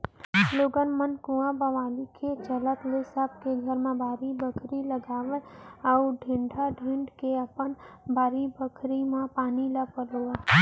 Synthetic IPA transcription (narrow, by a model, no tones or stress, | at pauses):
loːɡənmənkũãbəʋaːlikʰet͡ʃələt̪lesəb̚ʱkeɡʱəɾmẽbʱaːɾibəkʰɾiləɡaːʋəəʊɖʱɪ̃ɳɖʱaɖʱɪ̃ɳɖkeəpənbʱaːɾibəkʰɾimãpaːniləɡpəɾoə